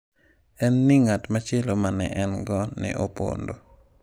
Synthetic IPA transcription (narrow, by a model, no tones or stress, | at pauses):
ɛnːɪŋatmat͡ʃelomanɛ̰ʔɛnɡɔnɪ̰ʔopo̰ndo